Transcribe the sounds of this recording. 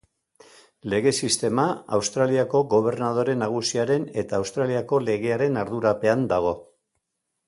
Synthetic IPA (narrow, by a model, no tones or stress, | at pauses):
le̞ɣe̞sist̪e̞maawst̪ɾaliako̞ɣo̞β̞e̞rnað̞o̞ɾe̞naɣ̞usiaɾe̞ne̞t̪aːwst̪ɾaliako̞le̞ɣ̞e̞aɾe̞naɾðuɾape̞and̪aɣ̞o̞